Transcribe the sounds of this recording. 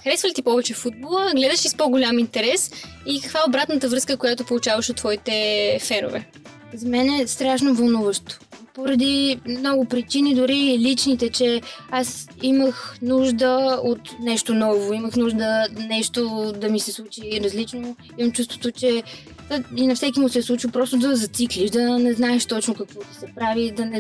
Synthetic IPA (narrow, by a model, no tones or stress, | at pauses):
xɾɛsvəlʲit̪ipɔvɛt͡ʃɛfud̪̚bolˠəɡlɛd̪əʃispɔɡʊlʲamint̪ɛɾɛsikəkvaobɾat̪nət̪əvɾɤskəkojat̪opolˠut͡ʃavəʃot̪ːvɔit̪ɛfɛɾo̰vɛ̰ | zɐmɛnɛst̪ɾaʃnovɐlˠnuvəʃt̪o̥poɾɐd̪imnɔɡʊpɾit͡ʃinid̪ʊɾilit͡ʃnit̪ɛt͡ʃɛasiməxnuʒd̪əot̪nɛʃt̪onɔvoiməxnuʒd̪ənɛʃt̪od̪ɐmisɛslˠut͡ʃiɾɐzlit͡ʃno | imɐmt͡ʃust̪vo̥t̪ot͡ʃɛ | ainɐfsɛkʲimʊsɛslˠut͡ʃipɾɔst̪od̪ɐzɐt̪sikliʃd̪ɐnɛznaɛʃt̪ɔt͡ʃnokɐkvɔt̪i̥sɛpɾavid̪ɐnɛ